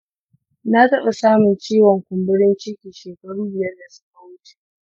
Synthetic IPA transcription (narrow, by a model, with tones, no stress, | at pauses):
na˦tɐ˦ɓa˨saː˦mʊ˨nt͡ʃiː˦wɔ˨ŋkʷʊ˨mbɪ˦ɽɪ˦nt͡ʃɪ˦kʲiː˨ʃeː˨kɐ˦ɽuː˦bɪ˨jɐ˦rda˨sʊ̥˦ka˨wʊ˦t͡ʃe̥˨